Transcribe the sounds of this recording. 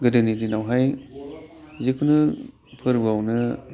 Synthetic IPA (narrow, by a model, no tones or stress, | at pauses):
ɡɯdɯnidinawɦaj | zikʰunɯ | pʰɯɾbawnɯ